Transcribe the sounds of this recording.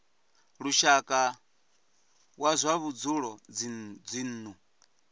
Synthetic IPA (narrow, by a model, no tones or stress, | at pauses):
ɺuʃakʼa | wazʷaβud͡zuɺɔd͡zd͡zin̩ːnu